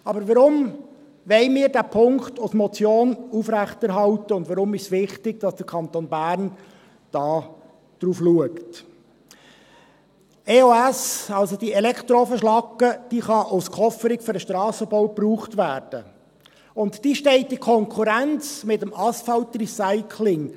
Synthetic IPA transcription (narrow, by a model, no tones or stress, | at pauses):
ɑbəɾʋəɾʊm | ʋɛɪmɪːɾdæːpʰʊŋktʊsmɔt͡sjoːnufɾæχtæɾɦɑlt̪əʊndʋɑɾʊmɪʃsʋɪχtɪɡ̥̚d̥ɑsd̥əɾkʰɑnt̪oːnbæːɾn | d̥ɑː | d̥ɾuːfluəkt | eoæsɑlsod̥iɛlɛkχt̪ɾofəʃlɑkːəd̥iːχɑʔʊskχɔfəɾɪkføɾəʃtɾɑːsəbɔʊpruːχtvæːɾd̥ə | ʊntːiːʃtɛɪtːikʰɔŋkʰuɾænt͡smɪtəmɑsfɑltrisaɪkʰlɪŋ